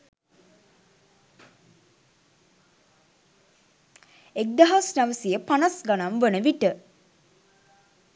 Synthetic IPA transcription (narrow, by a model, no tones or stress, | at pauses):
ek̚d̪aɦasnaʋəsijəpanasɡanamʋənəʋiʈə